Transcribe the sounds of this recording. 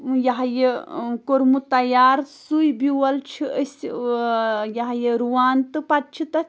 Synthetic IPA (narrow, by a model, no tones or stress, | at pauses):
jɐɦjekoɾmut̪ɐjaːɾsujbiwɐlt͡ʃʰiəs | jɐɦjeɾuʋaːnt̪ɨpɐt̪̚t͡ʃʰit̪ɐ